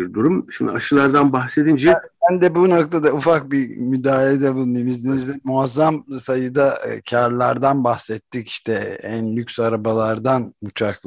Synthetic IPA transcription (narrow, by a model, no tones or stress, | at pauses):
iɾd̪uɾumʃimd̪ḭaʃɯlˠaɾd̪anbaxse̞d̪ind͡ʒɛbænd̪ɛbuno̞kt̪ʰad̪aufak̚bimyd̪aːlʲed̪ɛbulˠunemizd̪emizd̪ɛmuazːamsajɯd̪acʰaɾlˠaɾd̪anbaxsɛt̪ːici̥ʃt̪ʰɛænlʲykʲsaɾabalˠaɾd̪anut͡ʃʰaklˠ